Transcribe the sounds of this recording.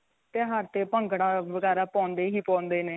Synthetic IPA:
t̪eːɦəɾt̪eːpəŋɡɽaːʋəɡɛːɾaːpɔ̃ːnd̪eːɦiːpɔ̃ːnd̪eːneː

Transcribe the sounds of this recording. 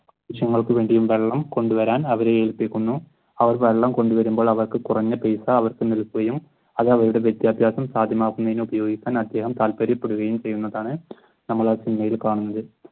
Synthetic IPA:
ʋiʂjɐŋːɐɭkɨʋe̞ːɳɖijumʋe̞ɭːɐmko̞ɳɖuʋɐɾaːnɐʋɐɾeeːɻupːikʲːunːu | ɐʋɐrʋe̞ɭːɐmko̞ɳɖuʋɐɾumbo̞ːɭɐʋɐrkɨkurɐɲːɐpejsɐːʋɐrkɨnilkːuɣɐjum | ɐðɐʋɐɾuɽe̞ʋjet̪jaːbʱjaːsɐmsaːd̪ʱjɐmaːkunːɐðinubɐjo̞ːɡikʲːaːnɐd̪ʱːje̞ːɦɐmt̪aːlpɐɾipːe̞ɽuɣɐjumt͡ɕe̞jːunːɐðaːɳɨ | nɐmːɐɭaːsinimɐjilkaːɳunːɐðɨ

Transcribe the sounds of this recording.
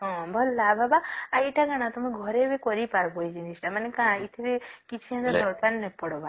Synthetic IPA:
ɦɔ̃bʱɔlːababaajʈʰaɡaɽ̃at̪ɔmẽɡʱɔɾebekɔɾipaɾbɔjd͡ʒinisʈamanekãit̪ʰiɾekit͡ʃʰianad̪ɔɾpannɛpɔɽɔba

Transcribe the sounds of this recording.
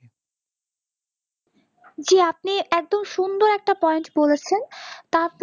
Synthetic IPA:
d͡ʑeap̚niɛk̚d̪omʃund̪oɾɛk̚ʈapɔenʈbolet͡ɕʰent̪aɾp

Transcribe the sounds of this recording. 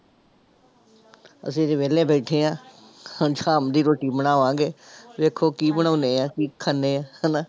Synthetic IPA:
ə̰s̬ĩːɾeːʋeːlẽːbeːʈʰẽːãː | d͡ʒʰaːmd̪iːɾoːʈiːbəɽaːoãːɡeːʋeːkʰoːkiːbəɳaːneːãːkiːkʰəneːãːhəna

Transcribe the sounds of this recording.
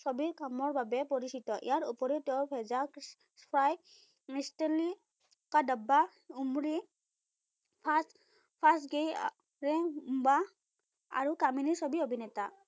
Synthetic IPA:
sobiɹkamɔɹbabɛpoɹisitɔʔḭjaɹupɔɹɛtɛʊɹpʰɛzak | spʰɹaj | misteli | kadaba | umɹi | pʰas | pʰasɡej | ɹɛumba | a̰ɹukaminiɹsobiobʱinɛta

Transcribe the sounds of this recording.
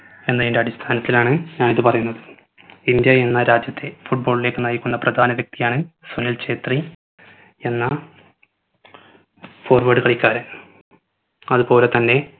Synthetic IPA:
e̞nːɐjindeɐɽist̪ʰaːnɐt̪ːilaːɳɨɲaːɳiðɨpɐrɐjunːɐðɨ | ind̪jɐenːɐɾaːd͡ʑjɐt̪ːe̞fuʈ̚bo̞ːɭile̞ːkːɨnɐjikʲːunːɐprɐd̪ʱaːnɐʋek̚t̪ijaːɳɨsunilt͡ɕe̞ːt̪ri | e̞nːɐ | fo̞ːrʋɐɖɨkɐɭikʲːaːɾɨ | ɐðɨpo̞ːle̞t̪ɐnːe̞

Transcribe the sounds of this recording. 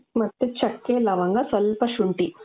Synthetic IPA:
mɐt̪ːet͡ʃɐkːeːlɐʋɐŋɡasɐlpɐʃuɳʈi

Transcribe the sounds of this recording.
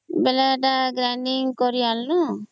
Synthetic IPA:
bɛlaʈaɡɾanɖiŋkɔɾialːɔ

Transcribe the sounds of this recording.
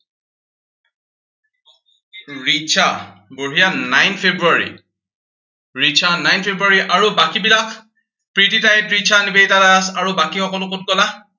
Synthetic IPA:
ɹit͡ʃʰaboɹijanajnpʰebɹuaɹḭ | ɹitt͡ʃʰanajnpʰebɹuaɹiʔaɹubakibilak | pɹititajɛtɹit͡ʃʰanibejtataasaɹubakixɔkɔlʊkot̚ɡɔla

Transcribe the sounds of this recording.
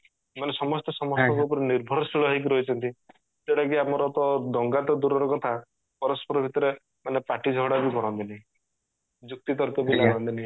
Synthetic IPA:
manesɔmɔst̪ɔsɔmɔst̪ɔŋkupɔɾiniɾbʱɔɾɔsiɭɔɦik̬iɾɔɦit͡ʃʰɔnt̪i | seɽakiamɔɾɔt̪ɔd̪ɔŋɡat̪ɔd̪uɾɔɾɔkɔt̪ʰa | pɔɾɔspɔɾɔbʱit̪ɔɾe | manepaʈid͡ʒʱɔɽabiɡɔɾɔnt̪inaɦĩ | d͡ʒuk̚t̪it̪ɔɾkɔbilaɡɔnt̪inaɦi

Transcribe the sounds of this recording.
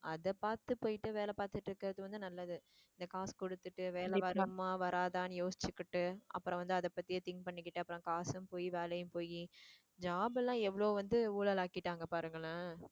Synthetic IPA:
ɐðɐpaːɾt̪ɯpoːjɪʈːɯʋeːlɛpaːɾt̪ɯʈːɾɯkːɐɾɐðɯʋɐnd̪ɯnɐlːɐðɯ | ɪnd̪ɐkaːskɔɽɯt̪ːɯʈːɯʋeːlɛʋɐɾɐmaːʋɐɾaːðaːnɯjoːsɪ̥t͡ʃːɯkːɪʈːɯʔɐ̰pːɯɾɔ̃ʋɐnd̪ɯɐðɐpːɐt̪ːɪjɐt̪ɪŋɡpɐɳːɪkːɪʈːɯɐpːɯɾɔ̃kaːsɯmpoːjiʋeːlɐjɯ̃mpoːji | d͡ʒaːbɛlːãːɛʋːɐɭoːʋɐnd̪ɯuːɭɐlaːkɪʈːaːŋɡɐpaːɾɯŋɡɐɭɐ

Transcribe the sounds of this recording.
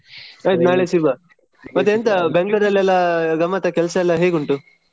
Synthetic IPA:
ɐjd̪naːɭesiɾba | mɐt̪ːeent̪ɐbeŋɡɭuɾɐlːɛlːɐɡɐmːɐt̪ɐkɛlsɐɛlːɐɦeːɡuɳʈu

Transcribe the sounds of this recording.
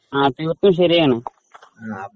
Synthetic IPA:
aːt̪eːʋɐt̪ːumɕ̬ɐɾijaːɳɨ

